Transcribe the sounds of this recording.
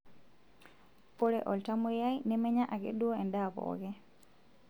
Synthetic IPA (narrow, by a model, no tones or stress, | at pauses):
pɔɾɛ̰ʔɔltamujajnɛmɛɲaʔaɡḛɗuɔɛndabɔ̰ːɡɛ